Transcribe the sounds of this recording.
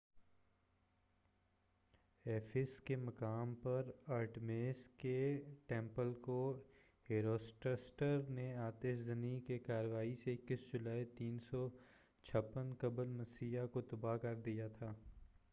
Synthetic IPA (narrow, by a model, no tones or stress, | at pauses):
ɛːfʰɪskemɐkaːmpɐɾaːɾʈmeːskeʈɛ̃ːmpəlko | ɦeːɾoːsʈəsʈəɾneaːt̪eːʃzənikekaːɾəʋaːiseɪkːɪsd͡ʒʊlaːit̪iːnsɔ | t͡ʃʰɐpːənkɐbəlmɐsiːjakot̪ɐbakɐɾd̪ijat̪ʰaː